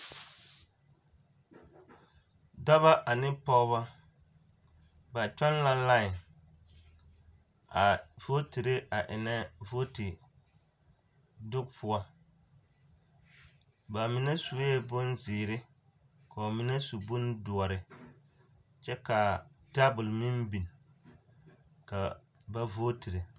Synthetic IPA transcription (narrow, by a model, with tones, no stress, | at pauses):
dɔ˦βa˦ʔa˨nɪ˦pɔ˦βa˦ | ba˨t͡ʃa˦nla˦la˦˨ | a˨v̥o˦ti˨ɾe˦a˨ʔɪ˨nɛ˦vo˦ti˨ | dʊ˦k̚pʰʊ˦a˦ | ba˨mɪ˦nɛ˦su˨˦ɛ˦bʊ˦nzɪː˨ɾɪ˦ | ka˨o˨mi˦nɛ˦su˨bʊ˦n˦dʊ˨ɔ˨ɾɪ˨ | t͡ʃɛ˦ka˨ | d̥a˦bʊ˨lmi˦nbi˨n˨ | ka˨ | ba˦vo˦ti˨ɾe˨